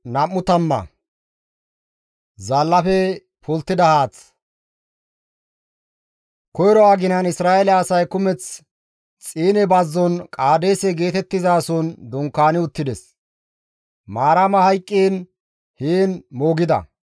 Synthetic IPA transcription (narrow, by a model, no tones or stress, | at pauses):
nɐmːʊt̪ɐmːɐ̰ | zɐlːɐfɛ | pʊlt̪ːɪd̪ɐhaːt͡s | kɔjɾɔwaːɡɪnɐnɪsɾaːʔɛlɛːsɐjkʊmɛt͡s | t͡sʼiːnɛbɐzːɔnkʼaːd̪eːsɛɡe̞ːt̪ɛt̪ːɪzaːsɔnd̪ɔŋkːaːnɪʊt̪ːɪd̪ɛs | maːɾɐmɐhɐjkʼːeːn | heːnmoːɡɪd̪ɐ̰